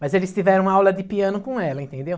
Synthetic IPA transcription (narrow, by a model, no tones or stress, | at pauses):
mɐzelɪst̪ivɛɾɐ̃w̃awlɐd̪ɪpiɐ̃nʊkõɛlɐẽnt̪ẽnd̪ew